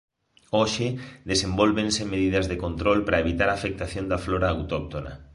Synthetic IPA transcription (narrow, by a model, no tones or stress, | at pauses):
oʃɪðesembolβensemeðiðɐzðekont̪ɾolpɾɐeβit̪aɾaːfek̚t̪aθjond̪ɐfloɾaːwt̪ok̚t̪ona̰